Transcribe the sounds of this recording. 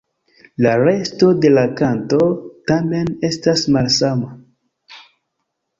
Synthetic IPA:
laɾe̞sto̞de̞lakanto̞tame̞ne̞stasmalsama

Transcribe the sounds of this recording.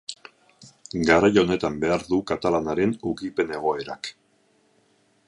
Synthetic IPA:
ɡaɾajo̞ne̞t̪ambe̞aɾðukat̪alanaɾe̞nukipe̞ne̞ɣ̞o̞e̞ɾa̰k

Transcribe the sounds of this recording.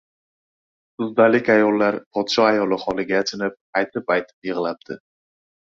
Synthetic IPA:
ʊzd̪alɪkʲajɒlːaɾpʰɒd̪ʃɒajɒlɪχɒlɪɡʲaːt͡ʃʰɪnɪp̚ajt̪ʰɪpajt̪ʰɪ̥pjɨʁlap̚d̪̥ɪ̰

